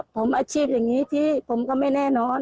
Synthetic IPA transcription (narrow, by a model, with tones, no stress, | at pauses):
pʰo˨˦mʔaː˧˥t͡ɕʰiː˥˩p̚ja˨˩ŋniː˨˦˥t̪ʰiː˧˩pʰo˩˦mkɔː˧˩ma˧˥˩jnɛː˧˩nɔː˨˧˥n